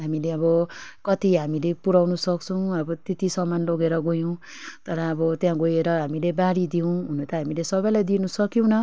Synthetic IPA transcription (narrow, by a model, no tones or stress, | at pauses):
ɦamileʌβʌkʌt̪iɦamilepuɾawnusʌk̚t͡sʰʌw̃ʌbʌt̪et̪isʌmːanloɡeɾʌɡojõw̃ | t̪ʌɾʌːbʌt̪jãɡojeɾʌɦamilebaɾid̪iow̃ɦunot̪ʌɦamilesʌbʌjlajd̪inusʌkjow̃nʌ